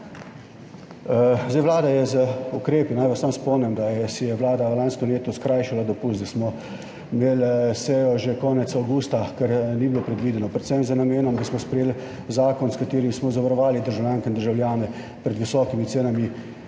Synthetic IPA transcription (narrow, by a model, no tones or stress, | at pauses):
zdajʋlaːd̪ajɛzəukɾeːpinajʋasːaːmspɔmnɛmd̪ajɛsijɛʋlaːd̪alanskɔmleːt̪ɔskɾaːjʃalad̪ɔpusd̪asmɔ | imeːlsɛjɔʒekɔːnɛt̪sawɡuːst̪akɛɾnibilopɾɛd̪ʋid̪ɛnɔpɾɛt̪sɛmzənameːnɔmd̪asmɔspɾɛjeːl | zaːkɔnskat̪eːɾimismɔzaʋaɾɔʋaːlid̪əɾʒawljaːŋkɛind̪əɾʒawljaːnɛ | pɾɛd̪ʋisɔːkimit̪seːnami